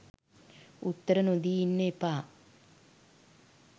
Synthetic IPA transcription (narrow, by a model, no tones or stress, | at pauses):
ut̪ːəɾənod̪iːinːəepaː